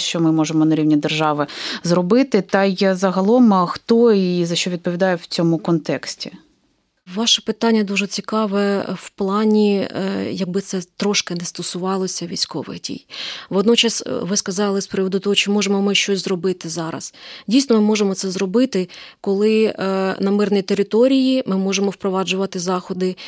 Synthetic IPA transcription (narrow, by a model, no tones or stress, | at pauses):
ʃt͡ʃɔmɪmɔʒemɔnɐɾʲiwnʲid̪erʒɑʋɪzrɔbɪt̪ɪt̪ɐjjazɐɦɐlˠɔmxt̪ɔizɐʃt͡ʃɔʋʲid̪̚pɔʋʲid̪ɑjɛwt͡sʲɔmʊkɔnt̪ɛksʲtʲi | ʋɑʃɛpɪt̪ɑnʲːɐd̪uʒɛt͡sʲikɑʋɛwplˠɑnʲijɐɡ̚bɪt̪sɛt̪ɾɔʃkɪnɛst̪ɔsʊʋɑlˠɔsʲɐʋʲḭjsʲkɔ̰ʋɪ̰ɣdʲḭjʋɔd̪nɔt͡ʃɐsʋɪskɐzɑlˠɪspɾɪʋɔd̪ʊt̪ɔɦɔt͡ʃɪmɔʒemɔmɪʃt͡ʃɔsʲzrɔbɪt̪ɪzɑɾɐ̰sdʲijsnɔmɪmɔʒemɔt̪sɛzrɔbɪt̪ɪkɔlˠɪnɐmɪrnʲijt̪eɾɪt̪ɔɾʲijimɪmɔʒemɔwpɾɔʋɑd͡ʒʊʋɐt̪ɪzɑxɔd̪ɪ